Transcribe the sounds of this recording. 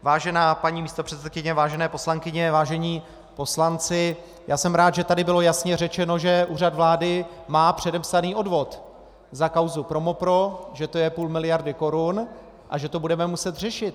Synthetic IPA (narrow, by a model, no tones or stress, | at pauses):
vaːʒɛnaːpaɲiːmiːst̪opr̝̥ɛt̪t͡sɛt̪̚kɪɲɛvaːʒɛnɛːpo̞slaŋkɪɲɛvaːʒɛɲiː | po̞slant͡sɪ | jaːsɛmɾaːt̪ʒɛt̪adɪbɪlo̞jasɲɛrɛt͡ʃɛno̞ʒɛʔuːrad̪vlaːdɪ | maːpr̝̥ɛdɛpsaniːʔo̞dvo̞t̪ | zakawzupɾo̞mopɾo̞ʒɛt̪o̞jɛpuːlmɪlɪjaɾdɪko̞ɾun | ʔaʒɛt̪o̞budɛmɛmusɛt̪r̝ɛʃɪt̪̚